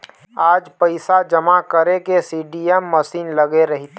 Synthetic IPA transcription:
aːd͡ʒpəɪsad͡ʒəmakəɾekesiɖijɛmːəsiːnləɡeɾəɦit̪e

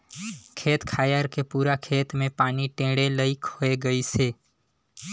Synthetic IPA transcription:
kʰet̪kʰajəɾkepuɾakʰet̪mẽpaniʈẽɽeləikʰoeɡəit͡ʃʰe

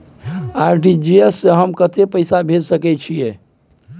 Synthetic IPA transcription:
aɾɖid͡ʒiesːeɦəmkət̪epəɪsabʱed͡ʒsəkɛt͡ʃʰije

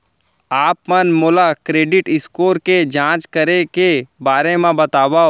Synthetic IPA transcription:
aːpmənmoːlakɾeːɖɪʈɪskoːɾked͡ʒãːt͡ʃkəɾekebaːɾemẽbɐt̪aːʋao

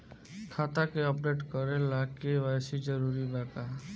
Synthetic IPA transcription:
kʰat̪akeɔpɖeʈkɔɾelakewajsid͡ʒɔɾuɾibaka

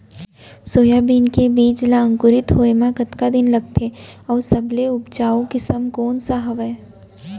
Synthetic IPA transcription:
soːjabiːnkebiːd͡ʒlaə̃ŋkʊɾɪt̪ɦoːemãkɐt̪kad̪ɪnlɐɡt̪ʰeɔːɾsɐbleʊbt͡ʃaːokɪsəmkɔːnsaɦɐʋɛ

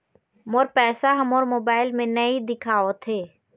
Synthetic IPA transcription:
moːɾpɛːsaɦɐmoːɾmoːbaːɪlmẽnɐid̪ɪkʰaːot̪ʰeː

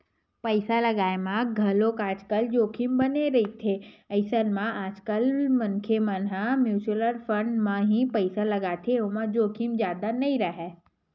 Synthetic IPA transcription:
pəɪsalɐɡaːemãɡʱɐlõkaːd͡ʒkəld͡ʒoːkʰimbɐneɾɐɦit̪ʰeɐɪsənmãaːd͡ʒkəlmɐnkʰemə̃nɦãmjuːt͡ʃləɾfə̃ɳɖmãɦĩpɐɪsalɐɡat̪ʰeomãd͡ʒoːkʰimzjaːd̪anɐĩɾɐɦɛː

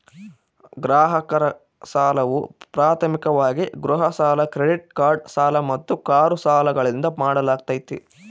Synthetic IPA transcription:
ɡɾaːɦɐkɐɾɐ | saːlɐʋupɾaːt̪ʰɐmikɐʋaːɡiɡɾuɦɐsaːlɐkɾeɖiʈ̚kaːɾɖsaːlɐmɐt̪ːukaːɾusaːlɐɡɐɭind̪ɐmaːɽɐlaːɡ̚t̪ɐjt̪ːḭ

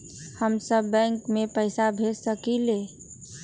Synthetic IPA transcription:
həmsəbːɛ̃ŋkmepəɪsabʱesəkile

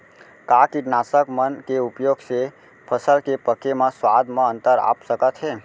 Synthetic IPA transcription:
kakiɖnasəkmənkeupjoɡse | pʰəsəlkepəkːemãswad̪ʱmãə̃nt̪əɾa̰psəkət̪ɦe

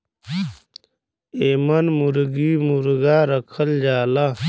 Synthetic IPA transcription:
eːmɐnmuɾɡiːmuɾɡaːɾəkʰəld͡ʑaːla

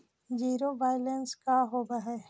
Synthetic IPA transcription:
d͡ʒiːɾobaːjlenskaɦoːbaɦɛː

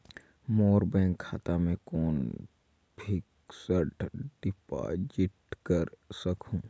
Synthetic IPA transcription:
moːɾbɛ̃ːŋkʰːaːt̪amẽkoːn | bʰʱɪk | səʈɖɪpa̰d͡ʒɪʈkəɾsəkʰũː

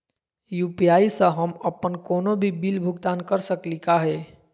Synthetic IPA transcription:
jupijaisə̃ɦəməpːənkonobʱibilbʱuɡt̪ankəɾsəklikaɦɛ

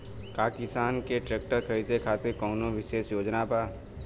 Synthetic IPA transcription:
kaːkɪsaːnkeʈɾeːk̚ʈəɾkʰɐɾiːd̪ekʰaːt̪ekɔːnõʋɪʃeːʃjoːd͡ʒnapaː

